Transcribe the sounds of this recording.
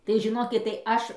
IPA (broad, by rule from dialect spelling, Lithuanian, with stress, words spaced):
tɐɪ ʒʲɪˈnoːkʲɪt tɐɪ ˈɐʃ